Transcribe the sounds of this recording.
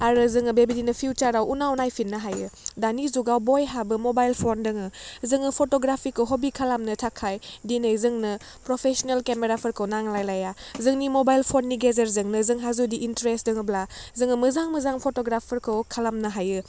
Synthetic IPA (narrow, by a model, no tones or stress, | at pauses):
aɾɯzɯŋɯbebidinɯpʰiut͡ʃaɾawunawnajpʰinːɯɦajɯdanizuɡawbojɦabɯmobajlpʰondɯŋɯzɯŋɯpʰotoɡɾapʰikʰɯwɦobikʰalamnɯtʰakʰajdinɯjzɯŋnɯ | pɾopʰesɔnelkemeɾapʰɯɾkʰɯwnaŋlajlajazɯŋnimobajlpʰonːiɡezeɾzɯŋnɯzɯŋɦazudiʔːntɾestdɯŋɯblazɯŋɯmɯzaŋmɯzaŋpʰotoɡɾapʰɯɾkʰɯwkʰalamnɯɦajɯ